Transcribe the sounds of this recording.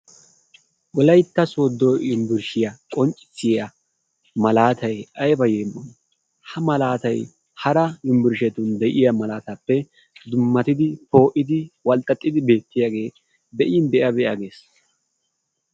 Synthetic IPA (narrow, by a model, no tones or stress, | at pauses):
ʔɔlɐjt̪ːɐsod̪ːoɪmbɪɾʃɪjɐkʼɔnt͡ʃʼɪ̥t͡sːɪjɐ | mɐlaːt̪ɐjɐjbɐjeːmʔɔn | hɐmɐlaːt̪ɐj | hɐɾɐɪmbɪɾʃɛt̪ʊnd̪ɛʔɪjɐmɐlaːt̪ɐpːɛ | d̪ʊmːɐt̪ɪd̪ɪpo̞ːʔɪd̪ɪwɐlt̪ʼːɐt̪ʼːɪd̪ɪbe̞ːt̪ːɪjaɡe̞ː | b̪ɛʔɪnd̪ɛʔɐbɛʔaɡe̞ːs